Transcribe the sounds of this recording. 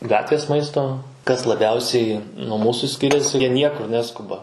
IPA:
ˈɡɑːtʲʋʲeːs ˈmɐɪstoː kɐs lˠɐˈbʲɛʊsʲɛɪ nuɔ ˈmuːsʊ ˈsʲkʲɪrʲɛsʲɪ jiɛ ˈnʲiɛkʊr ˈnʲæːskʊbɐ

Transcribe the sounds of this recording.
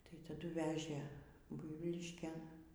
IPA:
tɐɪ tɐˈdʊ ˈʋʲæːʒʲeː ˈbʊɪʋʲiːlʲɪʃʲkʲeːn

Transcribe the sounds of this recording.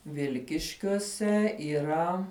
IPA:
ˈʋʲɪlʲkʲɪʃʲkʲuɔsʲɛ iːˈrɐ

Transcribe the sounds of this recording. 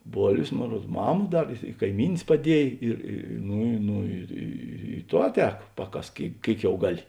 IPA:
ˈboːlʲʋʲeːs ˈmoːn ˈruɔt ˈmɑːmɐ ˈdɐr ɪ ɪ kɐɪˈmʲiːnʲeːs pɐˈdʲiɛj ɪr ˈnʊ ˈnʊ ɪr ˈiː ˈtoː ˈɑːˌtʲɛːk ˈpɑːˌkɐsk ˈkʲeːɪk ˈkʲeːɪk jɛʊ ˈɡɑːˌlʲɪ

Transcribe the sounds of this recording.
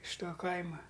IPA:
ɪʃ ˈtoː ˈkɐɪmɐ

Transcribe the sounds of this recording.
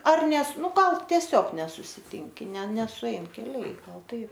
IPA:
ɐr ˈnʲɛs ˈnʊ ˈɡɐlˠ tʲiɛˈsʲoːk nʲɛsʊsʲɪˈtʲɪŋʲkʲɪ nʲɛ nʲɛsʊˈɛɪn kʲɛˈlʲɛɪ ˈɡɐlˠ ˈtɐɪp

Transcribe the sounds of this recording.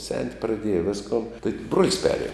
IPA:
sʲɛnʲtʲ prɐˈdʲiɛjɛ ˈʋʲɪskoːn tɐɪ bruɔlʲsʲ ˈpʲæːrʲˌiɛmʲ

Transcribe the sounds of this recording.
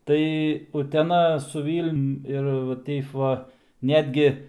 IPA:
ˈtɐɪ ʊtʲɛˈnɐ sʊ ˈʋʲiːlʲnʲʊm ɪr ʋɐ ˈtʲɛɪp ˈʋɐ ˈnʲæːdʲɡʲɪ

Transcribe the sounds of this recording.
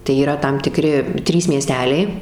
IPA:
tɐɪ iːˈrɐ tɐm tʲɪˈkrʲɪ ˈtʲrʲiːs mʲiɛˈsʲtʲæːlʲɛɪ

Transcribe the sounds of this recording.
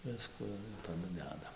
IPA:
ˈʋʲɪskʊ ɪr tɐˈdʊ ˈdʲæːdɐ

